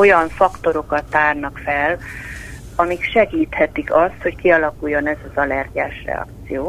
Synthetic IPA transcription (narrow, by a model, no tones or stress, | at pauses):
o̞jɒɱfɒkt̪o̞ɾo̞kɒt̪ːaːrnɒkfɛl | ɒmikʃɛɡiːt̪hɛt̪ikɒst̪ho̞ckiɒlɒkujːo̞nɛzɒzɒlɛrɟa̰ːʃrɛ̰ɒ̰kt̪ssijoː